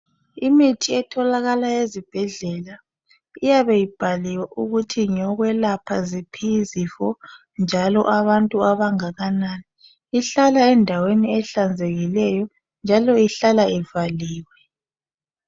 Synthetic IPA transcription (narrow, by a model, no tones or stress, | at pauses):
imitʰiɛtʰɔlaɣalajezib̥ʱɛɮɛla | ijaβejib̥ʱaliwaʔuɣutʰiɲɔɣwɛlapʰazipʰizifɔ | nd͡ʒʱalɔ̰ʔaβantʼuaβaŋaɣanaːni | iɬalaɛndʱaweniɛɬand͡zʱeɣilɛjɔ | nd͡ʒʱalɔiɬalaɛvaliːwɛ